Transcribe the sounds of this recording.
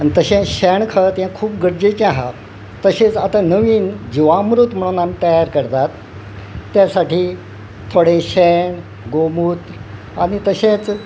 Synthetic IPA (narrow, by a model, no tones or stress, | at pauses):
anit̪əɕẽɕɛɳkʰət̪jãkʰuːp̚ɡəɾd͡ʑet͡ɕaɦa̰ | t̪əɕẽt͡sat̪anəʋiːnd͡ʑiʋamɾut̪m̤əɽ̃uːnamiːt̪əjaɾkəɾt̪at̪ː | jasaʈʰiː | t̪ʰoɽẽɕɛɳ | ɡomut̪ | aɽ̃it̪əɕẽt͡s